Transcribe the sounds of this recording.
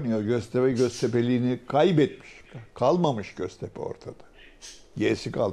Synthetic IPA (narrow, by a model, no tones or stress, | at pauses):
nyjoɾɟøzt̪ʰebɛɟøzt̪ʰepelʲiːnikʰajbɛt̪̚mi̥ʃkʰalˠmamɯʃɟ̥øz̥t̪ʰepʰɛ̰o̞̰ɾt̪ʰad̪̥ḁ | ɟeɾisikʰa